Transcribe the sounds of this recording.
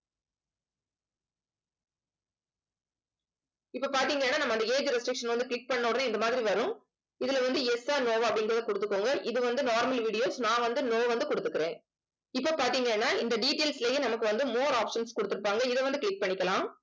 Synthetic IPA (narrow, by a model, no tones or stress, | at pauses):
ɪpːopaːɾt̪iːŋɡɐɛnːaːnɐmːɐɪnd̪ɐeːd͡ʒɾɛsʈɾɪkʂɐnʋɐnd̪ɯkɭɪk̚pɐɳːoːɽɐnɯɪnd̪ɐmaːðɪɾiʋɐɾʊ̃ | ɪðɪlʋɐnd̪ɯɛsaːnoːʋɐpːɐɽɪŋɡɐɾɐðɐkɔɽɯt̪ːɯkːoːŋɡɐʔɪðɯʋɐnd̪ɯnaːɾmɐlʋiːɽɪjoːsnãːʋɐnd̪ɯnoːʋɐnd̪ɯkɔɽɯt̪ːɯkːɪɾẽː | ɪpːopaːɾt̪iːŋɡɐɛnːaːɪnd̪ɐɖiːʈːeːlslejenɐmɐkːɯʋɐnd̪ɯmoːɾaːpʂɐnskɔɽɯt̪ːɯɾɯpːaːŋɡɐɪðɛʋɐnd̪ɯkɭɪk̚pɐɳːɪkːɐlãː